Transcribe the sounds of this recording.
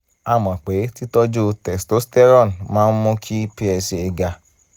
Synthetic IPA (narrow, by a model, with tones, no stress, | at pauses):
a˦˨mã˨k͡pe˨˦ti˦tɔ˦d͡ʒo˦˧tɛ˨sto˨˦stɛ˦ɾɔ˦˨n˨mãː˦n̩˦mũ˦kʰi˦pi˧ɛ˧se˧e˧ɡa˧